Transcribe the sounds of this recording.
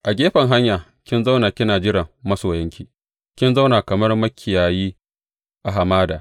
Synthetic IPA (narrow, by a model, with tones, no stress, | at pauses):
ʔa˨ɡʲeː˦ɸɐ˨ŋɦa˦ɲjaː˨ | kʲɪ˦nza˦wnaː˨kʲɪ˦naː˨d͡ʒɪ˦ɾɐ˨mmɐ˦soː˨jɐ˦ŋkʲiː˨ | kʲɪ˦nza˦wnaː˨kɐ˨mɐ˦rmɐ˦kʲʰːɪ˨jaː˨jiː˦ | ʔa˨ɦa˨maː˦daː˨